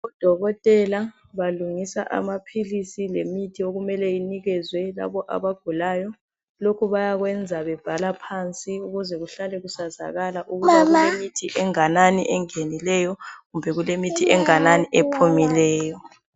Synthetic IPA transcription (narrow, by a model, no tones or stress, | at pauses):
ud̥ʱɔɣɔtʼɛla | βaluŋisa̰ʔa̰mapʰilisilemitʰioɣumɛlɛjiniɣɛzwɛla̰βɔʔa̰βaɡ̥ʱulaːjɔ | lokʰuβajaɣwɛnd͡zʱaβɛb̥ʱalapʰant͡sʼiuɣuzɛɣuɬalɛɣusaza̰ɣalaʔuɣumemitʰiʔɛŋananiʔɛŋenilɛjɔɣumbʱɛɣulemitʰiɛŋananiʔepʰumilɛːjɔ